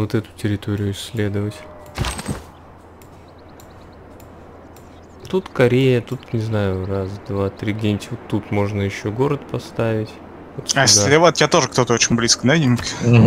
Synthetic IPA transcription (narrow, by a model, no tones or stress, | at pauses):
ot̪ɛt̪ʊ̥tʲɪɾʲɪt̪o̞ɾʲɪjʊɪsʲːlʲe̞d̪əvətʲ | t̪ut̪kɐɾʲejət̪ut̪nʲɪznajʊrasd̪vat̪ɾʲiɡdʲenʲtʲvot̪ːut̪mo̞ʐnəjɪɕːoɡo̞ɾət̪pɐst̪avʲɪtʲ | ot̪asʲɾʲevat̪jat̪o̞ʐəkt̪ot̪əot͡ɕɪnʲblʲiskənadʲɪnk